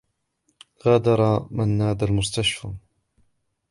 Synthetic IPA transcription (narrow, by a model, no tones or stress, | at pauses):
ɣaːd̪ɑɾˤɑmanːaːd̪almʊst̪aʃfa̰